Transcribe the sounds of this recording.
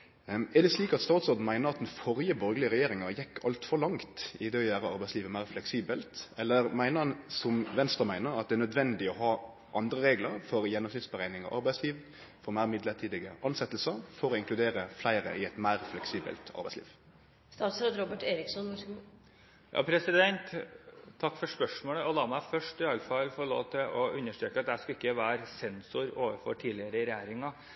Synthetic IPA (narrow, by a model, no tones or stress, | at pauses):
ɛʁd̪ɛsliːkɑt̪st̪ɑːt̪soːd̪n̩mæɪnəɾɑt̪̚d̪ɛnfɔɾjəbɔɾɡəlɪəɾɛjeːɾɪŋəjɛkːɑlt̪fɔlɑŋt̪ɪd̪ɛːɔjæːʁəɑɾbæɪsliːʋəmæɪʁflɛksiːbəlt̪ɛlːəɾmæɪnəɾhɑnsɔmʋɛnst̪ʁəmæɪnəɾɑt̪̚d̪ɛænœd̪ʋɛnd̪ɪɔɦɑː | ʔɑnd̪ɾəɾeːɡləɾfɔɾjɛnːɔmsɪt̪sbəʁæɪnɪŋɑ̰ʔɑ̰ɾbæɪsliːʋ | fɔɾmæɪmɪd̪lət̪ʰiːd̪ɪɡəʔɑnsɛt̪ːəlsəfɔɾɔɪŋklʉd̪eːɾəflæɪɾə̰ʔɪɛt̪mæɪʁflɛksiːbə̰lt̪ʰɑ̰ɾbæɪslḭːʋ | st̪ɑːt̪sɾɑːd̪ɾɔbəʈeːɾɪksɔn | jʔɑ̰ːpʰɾɛsɪd̪ɛnt̪ʰː | ɑkːfɔʂpœʂmoːləɔlɑːmæɪfœʂʈɪɑlːfɑlfɔɾɭo̰ːʋt̪ʰɪlʔɔʉnːəʂʈɾøːkəɑt̪̚d̪æʂkɑɪkːəʋæːɾsɛnsʊɾoːʋəfɔ̰ʈʰiːlɪəɾəɪɾɛjæːɾɪŋɑ